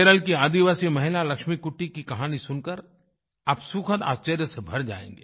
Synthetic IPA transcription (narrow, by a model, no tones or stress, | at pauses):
eɾəlkiaːd̪iʋaːsimɐɦɪlalɐkʃmikʊʈːikikɐɦaːnisʊnkəɾ | aːpsukʰət̪a̰ːst͡ʃeːɾjəsebʱɐɾd͡ʒa̰ːḛ̃ːŋɡḛː